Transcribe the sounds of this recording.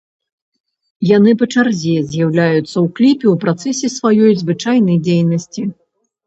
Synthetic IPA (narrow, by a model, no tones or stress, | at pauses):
janɨpɐt͡ʂarzʲɛzʲjawlʲajut̪sːɐwklʲipʲɛwpɾat̪sɛsʲɛsvajɔjzvɨt͡ʂajnɐjd͡zʲejnɐsʲt͡sʲi